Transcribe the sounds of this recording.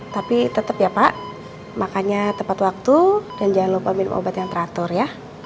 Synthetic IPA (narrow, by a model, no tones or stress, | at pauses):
t̪apit̪ət̪əpjapaʔ | makaɲat̪əmpat̪wak̚t̪udand͡ʒaanlopamɪnmʔo̰bat̪jaŋt̪əɾat̪ʊrja